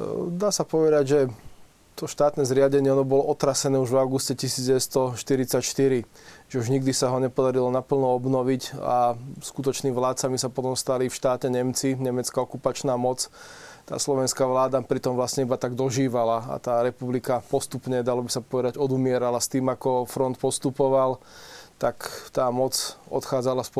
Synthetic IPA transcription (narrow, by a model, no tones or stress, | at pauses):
d̪aːsapɔʋɛd̪aɟʒɛ | t̪ɔʃt̪aːt̪nɛːzɾɪaɟɛɲɪɛɔnɔbɔlɔʔɔt̪ɾasɛnɛːuʒvaʊɡuscɛcisiːd͡zɟɛʋɛst̪ɔʃt̪iɾit͡sacʃt̪iɾiʒɛuʒɲiɡd̪isaɦɔɲɛpɔd̪aɾilɔnapl̩nɔɔbnɔʋica̰skut̪̬ɔt͡ʃniːʋlaːt̪t͡samisapɔt̪ɔmst̪alifʃt̪aːtɛɲɛmt͡siɲɛmɛt͡skaɔkupat͡ʃnaːmɔt͡st̪a̰ːslɔʋɛnskaʋlaːd̪apɾit̪ɔmʋlasɲɛibat̪aɡd̪ɔʒiːʋalaa̰t̪aːɾɛpublikapɔst̪upɲɛd̪alɔbisapɔʋɛd̪aɟɔd̪umɪɛɾalast̪iːmakɔfɾɔnt̪pɔst̪upɔʋal | t̪akt̪aːmɔt͡sɔ̰t̪xaːd͡zalaspɔ